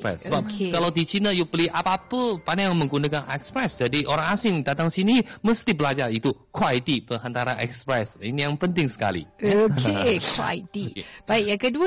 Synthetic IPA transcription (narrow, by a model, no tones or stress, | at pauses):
pɾɛ̰ssəbakkalawd̪it͡ʃinəjupəliʔapapəpanajaŋmə̃ŋɡunakanʔɛkspɾɛsd͡ʒadiʔoɾaŋasɪŋdat̪aŋsiniməst̪ibəlad͡ʒarit̪ukʰwalit̪ipəŋɦant̪aɾanɛ̰kspɾɛsinijaŋpənt̪ɪŋsə̥ka̰lḭaoekwwa̰lit̪ikbaiʔjaŋkəduə